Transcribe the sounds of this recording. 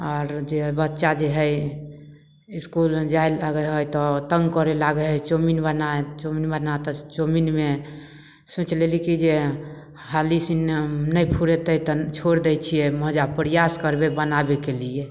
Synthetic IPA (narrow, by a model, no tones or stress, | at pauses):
ɔɾd͡ʒebətːʃad͡ʒeɦəj | iskuld͡ʒajlaɡəɦojt̪ɔt̪əŋɡkɔɾelaɡɛɦəjt͡ʃominbənaet͡ʃominbənat̪ɔt͡ʃominme | sũt͡ʃʰlelikid͡ʒe | halisinnəjpʰuɾet̪əjt̪ɔt͡ʃʰoɾd̪ɛjt͡ʃʰijɛməɦd͡ʒapɾijaskəɾbebənabekelie